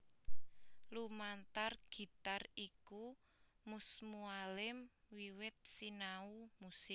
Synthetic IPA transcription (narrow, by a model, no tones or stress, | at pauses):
lumant̪arɡ̥i̤t̪ariku | musmualɪm | wiwɪt̪̚sinaumusɪk̚